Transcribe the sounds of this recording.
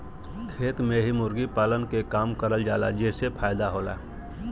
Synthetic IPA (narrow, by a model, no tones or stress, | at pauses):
kʰeːt̪mẽɦimʊɾɡipaːlənkekaːmkəɾəld͡ʒaːla̰d͡ʒeːsepʰaːjd̪aɦoːla̰ː